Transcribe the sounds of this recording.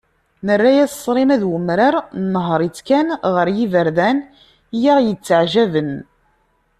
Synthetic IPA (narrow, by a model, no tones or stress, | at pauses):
nərːæjæssˤːɾˤimæðwəmɾɑɾnɦəɾˤit͡sːkænʁəɾjivəɾðæn | jaʁjət͡sːʕʒævən